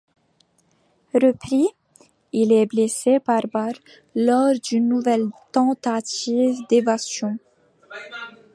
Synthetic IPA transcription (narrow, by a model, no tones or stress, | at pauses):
ʁəpχi | ilɛblesepaʁbaʁ | lɔʁd̪ynːuvɛlt̪ɑ̃t̪at̪ivd̪evast̪jɔ̃